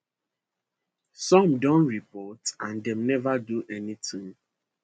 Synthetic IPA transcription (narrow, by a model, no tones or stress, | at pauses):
sɔ̃mdõnɹipɔtãndɛ̃mnɛvaduʔɛnitĩŋ